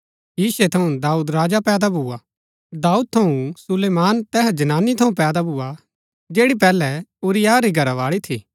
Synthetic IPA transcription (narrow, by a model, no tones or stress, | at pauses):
jiːset̪ʰɐũd̪aːuːd̪ɾaːd͡ʒapɛːd̪abʱʊːa | d̪aːuːd̪̚t̪ʰɐũsʊleːmaːnt̪ɛːɦd͡ʒɐnaːnːit̪ʰɐũpɛːd̪abʱuːa | d͡ʒeːɽip̬ɛːlɛʊɾɪjaɾiɡʱɐɾaʋaːɭit̪ʰḭː